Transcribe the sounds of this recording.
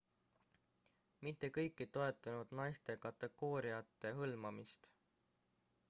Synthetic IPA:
mit̪ːe̞kɤjkːˑit̪o̞e̞t̪ːˑɑnud̪̥nɑjst̪e̞kɑt̪ːˑe̞ɡ̥o̞ːɾiɑt̪ːˑe̞ɦɤlmɑmist̪

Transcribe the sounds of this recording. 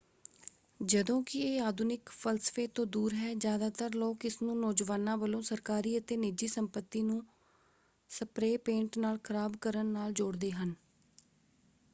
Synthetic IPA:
d͡ʒəd̪õːkɪeːaːd̪ʊnɪkpʰəlsə̥feːt̪õːd̪uːɾɦɛːd͡ʒjaːd̪aːt̪əɾloːkɪsnũːnɔːd͡ʒʋaːnãːʋəlõːsəɾkaːɾiːət̪eːnɪd͡ʒiːsəmpət̪ːiːnũː | səpɾeːpẽːɳʈnaːlkʰəɾaːbkəɾənːaːld͡ʒʊɽd̪eːɦən

